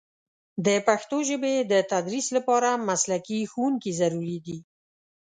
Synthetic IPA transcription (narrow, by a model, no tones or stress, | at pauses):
d̪əpaxt̪oʒəbed̪ət̪ad̪ɾislapɑɾamaslakixuwuŋkizaɾuɾid̪i